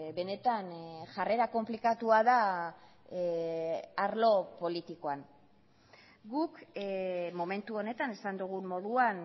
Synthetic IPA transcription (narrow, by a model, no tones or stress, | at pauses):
be̞ne̞t̪anʝare̞ɾako̞mplikat̪uaða | aɾlo̞po̞lit̪iko̞an | ɡuk | mome̞nt̪uo̞ne̞t̪ane̞sand̪uɣ̞ummo̞ðuan